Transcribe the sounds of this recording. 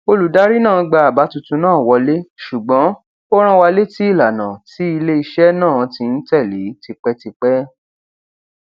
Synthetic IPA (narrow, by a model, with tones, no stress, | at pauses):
o˧lu˨da˦ɾi˦nãː˦˨ɡ͡ba˧a˨ba˨˦tu˧tũ˧nãː˦˨wɔ˧le˦ʃu˨ɡ͡bɔ̃˨˦ | o˦ɾ̃ã˦wa˧le˦ti˦i˦˨la˨nã˨ti˨˦i˧le˦i˧ʃɛ˦nãː˦˨˦tĩ˧n̩˦tɛ˦˨li˨˦ti˧k͡pɛ˦ti˧k͡pɛ˦